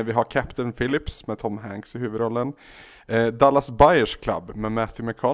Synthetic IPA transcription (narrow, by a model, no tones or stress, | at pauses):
vɪɦaɾkʰæpt̪ənfɪlːɪpsmɛt̪ʰɔmɦæŋksɪhʉ̟ːvəd̪ɾɔlːən | d̪alːasbaɪəʂkʰla̰bːmɛmæθɪmɛkʰɑː